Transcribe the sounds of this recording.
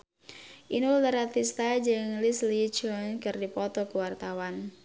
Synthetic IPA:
ʔinuləɾat̪ist̪ad͡ʒɨŋlislit͡ʃɔnkɨrdipɔt̪ɔkuwart̪awan

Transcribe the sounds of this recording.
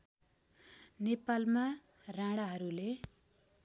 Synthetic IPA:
nepalma | rãɽaɦʌɾule

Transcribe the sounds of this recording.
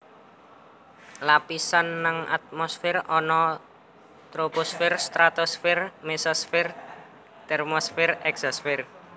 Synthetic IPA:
lapisanːaŋʔa̰t̪̚mɔsfɪrɔnɔ | t̪ɾoposfɪrst̪ɾat̪osfɪrmesɔsfɪr | t̪ɛrmosfɪrɛksɔsfɪr

